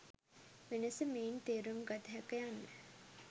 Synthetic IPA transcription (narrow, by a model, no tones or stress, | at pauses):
ʋenəsəmeːnt̪eːɾumɡat̪əɦækəjanːə